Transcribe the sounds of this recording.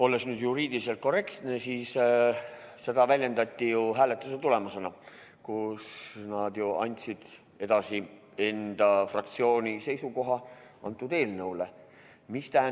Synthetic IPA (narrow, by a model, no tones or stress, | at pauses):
o̞lːesnyːd̪̥juɾiːd̪ilis̬e̞lt̪̚ko̞re̞kt̪nesiːs | se̞d̪ɑvælʲje̞nd̪ɑt̪ʲːijuɦæːle̞t̪ːˑuset̪ule̞mɑsenɑ | kusnɑd̪̥juɑ̰nʲt̪ʲsid̪̥ | e̞d̪̥ɑsi | e̞nd̪̥ɑfrɑk̚t̪sio̞ːnʲise̞jsuko̞ɦɑɑ̰nt̪ːˑud̪e̞ːlnɤwle | mist̪æɦæ